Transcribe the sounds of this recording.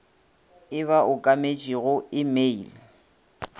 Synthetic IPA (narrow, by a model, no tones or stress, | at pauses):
ɪβaʔʊkʼamet͡ʃʼiɣʊɪmeil